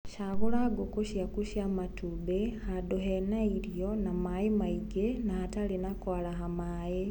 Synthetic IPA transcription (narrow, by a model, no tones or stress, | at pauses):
ʃaβulaɡokuʃjakuʃjamatubehadoɦenailjonamaimaiɡenaːtalinakwaːlaɦamaːje